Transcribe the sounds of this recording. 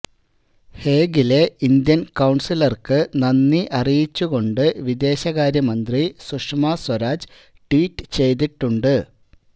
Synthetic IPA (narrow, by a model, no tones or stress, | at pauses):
he̞ːɡile̞ind̪jɐnkɐwɳsilɐrkɨnɐnːiʔɐrijit͡ɕːuɣo̞ɳɖɨʋid̪e̞ːɕɐɣaːɾjɐmɐnd̪risuʂmaswɐɾaːd͡ʑɨ | ʈwiːʈːɨ̥t͡ɕe̞jt̪̬iʈːuɳɖɨ